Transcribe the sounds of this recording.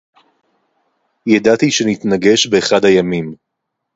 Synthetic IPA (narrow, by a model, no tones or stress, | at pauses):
jadatiʃe̞nit̪naɡe̞ʃbeːχadhajamim